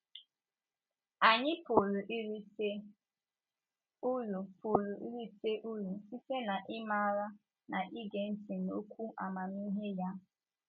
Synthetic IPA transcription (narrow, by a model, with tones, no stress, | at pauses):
a˨ɲɪ˦po˨lu˨ʔi˦ɾi˦se˦ | u˦lʊ˨po˨lu˨ʔḭ˦ɾi˦se˦ʔu˦lu˨si˦se˦na˨ʔɪ˦ma˦ɾa˦ | na˨ʔi˦ɡe˨n̩˦ti˨no̰˦kʷu˦ʔa̰˨ma˨m˦i˦ɦe˦ja˦˨